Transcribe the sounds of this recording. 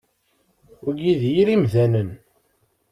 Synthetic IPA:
ʊɡiðjiɾimðænən

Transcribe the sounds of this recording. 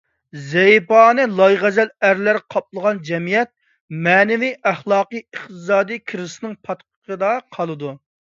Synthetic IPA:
zɛjpɑːnɨlˠɑjʁɛzælæɾlɪɾqʰɑp̚lˠəʁɑnd͡ʒɛmijɛt̪̚ | mɛːnɪviʔæχlˠɑːqɨjəχt̪ɨsɑːd̪ijkʲʰiɾsɨnɨŋpʰɑt̪qʰə̥qəd̪ɑqʰɑlˠɨd̪u

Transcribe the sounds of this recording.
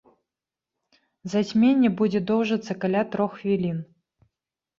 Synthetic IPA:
zɐsʲmʲenʲːɛbud͡zʲɛd̪ɔwʐɐt̪sːɐkalʲat̪ɾɔxvʲilʲin

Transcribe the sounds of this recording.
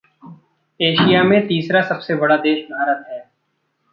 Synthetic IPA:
eːʃijamẽt̪iːsɾasɐbsebɐɽad̪eːʃbʱaːɾət̪ɦɛː

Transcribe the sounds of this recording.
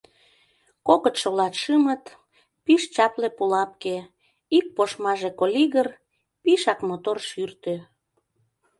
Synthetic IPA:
kokət̪ʃolɑt̪ʃɨmət̪ | piʃt͡ɕɑplepulɑp̚ke | ik̚poʃmɑʒekolʲiɣər | piʃɑkmot̪orʃyrt̪ø

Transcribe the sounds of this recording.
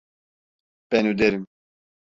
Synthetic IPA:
pɛnud̪ɛɾim

